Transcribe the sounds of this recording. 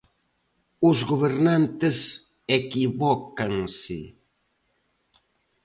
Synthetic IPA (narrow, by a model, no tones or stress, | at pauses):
ʊzɣoβeɾnant̪ɪs | ekiβɔkaŋsɪ̰